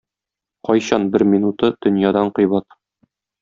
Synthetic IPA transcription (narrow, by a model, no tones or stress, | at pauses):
qɒjɕɑnbɘɾmʲinut̪ɤd̪̥ɵ̆njɑd̪ɑɴqɤ̆jbɑt̪